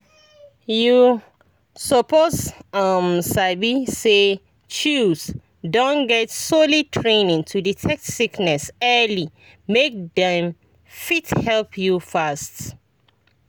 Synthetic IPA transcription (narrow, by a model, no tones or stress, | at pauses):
ju | sɔpotʌmsaɪbise | t͡ʃus | dõnɡɛtsolitʰɹẽnĩŋtʰuditʰɛksiknɛsɛli | mek̚dɛ̃m | fithɛlpʰjufast